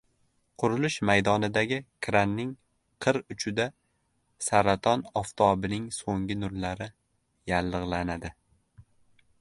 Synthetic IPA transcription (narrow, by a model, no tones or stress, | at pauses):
qʰʊɾʊlɪʃmajd̪ɒnɪd̪aɡʲɪkʰɾanːɪŋ | qʰɨɾʊt͡ʃʰɪd̪a | saɾat̪ʰɒnɒft̪ʰɒbɪnɪŋsoŋɡʲɪnʊɾlaɾɪ | jalːɨʁlanad̪ɪ